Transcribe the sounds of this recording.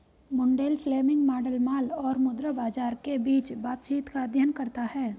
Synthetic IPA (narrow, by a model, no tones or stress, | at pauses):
mʊ̃ɳɖeːlfleːmɪ̃ŋɡmaːɖəlmaːlɔːɾmʊd̪ɾəbaːd͡ʒaːɾkebiːt͡ʃbaːt̪t͡ʃiːt̪kad̪ʱjənkɐɾt̪aɦɛː